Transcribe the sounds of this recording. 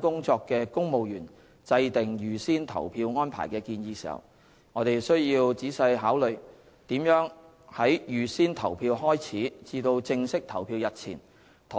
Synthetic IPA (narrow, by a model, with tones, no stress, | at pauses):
kʊ˥ŋt͡sɔː˧kːɛː˧kʊ˥ŋmo˨wjyː˨˩n | t͡sɐ˧jt̪ɪ˨˩ŋjyː˨siː˥nt̪ʰɐ̰˨˩wpʰiː˧wŋɔː˥npʰa̰ː˨˩jkɛː˧kiː˧njiː˧si˨˩hɐ̰˨˩w | ŋɔː˨˧t̪e˨jsɵ˥ɥjiː˧wt͡siː˨˥sɐ˧jɦaː˨˥wlɵ˨˩ɥ | t̪iː˨˥mjœː˨˥ŋ | hɐ˨˥jjyː˨˩siː˥nt̪ʰɐ˨˩wpʰiː˧whɔː˥jt͡sʰiː˨˥t͡siː˧t̪o˧wt͡sɪ˧ŋsɪ˥k̚t̪ʰɐ˨˩wpʰiː˧wjɐ˨t̚t͡sʰḭː˨˩n | t̪ʰ